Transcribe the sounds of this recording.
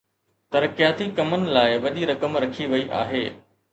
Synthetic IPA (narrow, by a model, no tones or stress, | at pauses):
t̪ɐɾkɪjaːt̪ikɐmənɪ̆laːɪʋɐɗiɾɐkəmɾɐkʰiʋɐiʔa̰ːɦeː